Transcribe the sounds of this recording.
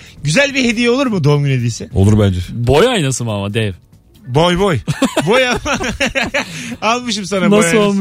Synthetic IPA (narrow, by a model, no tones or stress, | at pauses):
ɟyzælʲbiɦe̞d̪ijɛo̞lˠuɾmud̪o̞umɟynhed̪iːsɪolˠuɾbænd͡ʒɛbo̞jajnasɯmamad̪ɛv | bojbojbojaa | alˠmɯʃ̬ɯmsananaso